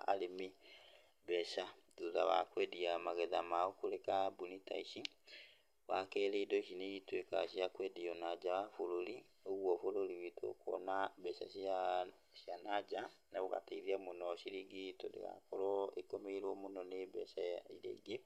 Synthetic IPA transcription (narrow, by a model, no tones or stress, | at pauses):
a̰lemi | bɛʃaduða̰βa̰kwɛdiamaɣɛðamaɔkoɾekabunita̰iʃi | wakɛɾedɔʃineitwekaʃiakwɛdiɔnad͡ʒawafoɾoɾi | oɣwɔfoɾoɾiweto̰kɔ̰nabɛʃa̰ʃa | sjanad͡ʒanaβoɣa̰taiɾiamonɔʃiɾiɡitɔdḛɣa̰kɔɾɔekomeiɾwɔmonɔnebɛʃajaiɾḛɡe